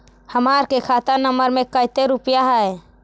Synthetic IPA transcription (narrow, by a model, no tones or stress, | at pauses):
həmaːɾkekʰaːt̪ənəməɾmẽkəɪt̪eɾʊpjaɦɛɛ